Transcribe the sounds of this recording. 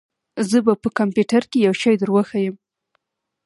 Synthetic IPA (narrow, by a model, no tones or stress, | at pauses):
zəbapəkampjuʈaɾkejawʃɑjd̪əɾwəxajəm